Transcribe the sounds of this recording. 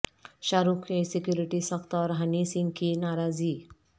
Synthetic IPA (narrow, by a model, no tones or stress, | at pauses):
ʃaːɾukkesɪkjuːɾɪʈisɐxt̪ɔːɾɦənisɪ̃ŋɡkinaːɾaːziː